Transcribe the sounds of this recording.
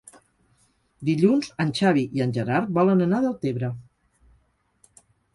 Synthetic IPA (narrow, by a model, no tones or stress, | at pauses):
d̪iʎunzənʲt͡ʃaβiʔiənʲʒəɾaɾbɔlənənaðəlˠt̪eβɾə